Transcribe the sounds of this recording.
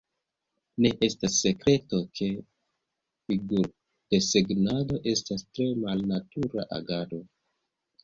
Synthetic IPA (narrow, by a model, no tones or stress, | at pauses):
ne̞ʔe̞stasːe̞kɾe̞tokʰe̞ | fiɡuɾ | ke̞se̞ɡnado̞ʔe̞stastɾe̞malnatuɾa̰ʔa̰ɡado̞